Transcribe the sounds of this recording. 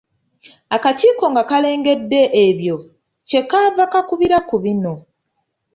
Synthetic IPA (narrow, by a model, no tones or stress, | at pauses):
akaciːko̞ŋɡakale̞ːŋɡe̞dːe̞ʔeβjo̞ | ce̞kaːvakakuβiɾakuβino̞